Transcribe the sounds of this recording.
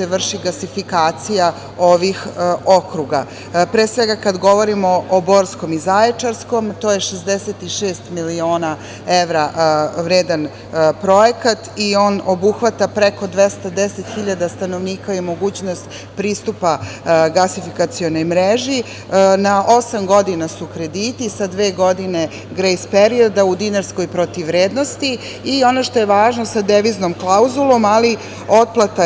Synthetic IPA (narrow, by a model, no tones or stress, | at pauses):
eʋr̩ʃiɡasifikaːt̪sija | o̞ʋixokɾuɡa | pɾeːsʋe̞ɡakad̪ɡo̞ʋo̞ɾimo̞ːbo̞ɾsko̞mizajet͡ʂaɾsko̞mt̪oːjeʃezd̪eset̪iʃeːst̪milio̞ːna | eʋɾaʋɾeːd̪an | pɾo̞jekat̪io̞ːnobuxʋat̪apɾeko̞d̪ʋest̪ad̪eset̪xiʎad̪ast̪anoʋniːkaimo̞ɡuːt͡ɕnost̪ | pɾiːst̪upaɡasifikat̪sio̞no̞jmɾeʒi | naʔosamɡo̞d̪inasukɾe̞d̪iːt̪isad̪ʋe̞ːɡo̞d̪ine̞ | ɡɾejspeɾio̞d̪aud̪ineɾsko̞jpɾo̞t̪iʋːɾeːd̪no̞st̪i | io̞noʃt̪o̞jeʋaːʒno̞sad̪eʋiznomklˠauzulˠo̞mali | o̞t̪̚plˠat̪a